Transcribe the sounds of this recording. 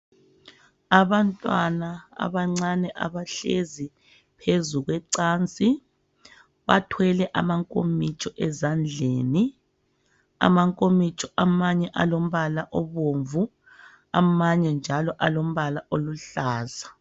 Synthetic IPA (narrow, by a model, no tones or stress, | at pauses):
aβantʼwanaa̰βaŋ͡ǀanɛʔa̰βaɬezi | pʰezuɣwɛǀaːnt͡sʼi | βatʰwɛlɛʔamaŋkʼomit͡ʃʼɔʔɛzand͡ɮʱeːni | a̰maŋkʼomit͡ʃʰʼɔʔamaɲɛʔalom̩βalaʔoβoːɱvu | a̰maɲɛnd͡ʒʱalɔʔalom̩βalaʔoluɬaːza